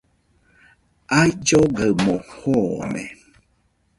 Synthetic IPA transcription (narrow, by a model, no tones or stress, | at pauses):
ajd͡ʒoɡəmõhomḛ̃